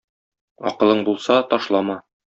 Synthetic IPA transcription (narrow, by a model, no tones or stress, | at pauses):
ɒ̰qɤ̆lˠɤɴbulˠsɑt̪ɒʃlˠɑmɑ